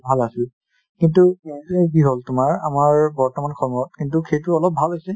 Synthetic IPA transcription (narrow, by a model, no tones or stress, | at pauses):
bʱalasɛl | kintuekiɦɔltʊmaɹamaɹbɔɹtɔmankʰɔɹmɔt̚kintukʰejtʊɔlɔp̚bʱalasɛ